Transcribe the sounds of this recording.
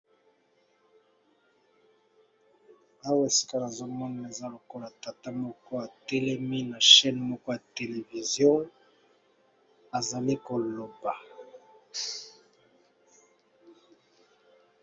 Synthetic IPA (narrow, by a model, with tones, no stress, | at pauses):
a˦we˨si̥˦ka˦na˨zo˦mɔ˦na˨e˨za˦lo˨ko˦la˨ta˨ta˦mɔ˦ko˦a˨tɛ˦lɛ˦mi˦na˨ʃɛ˦n˨mɔ˦ko˦ja˨te˨le˨vi˨zjɔ̃˦ | a˨za˨li˦ko˨lo˨ba˨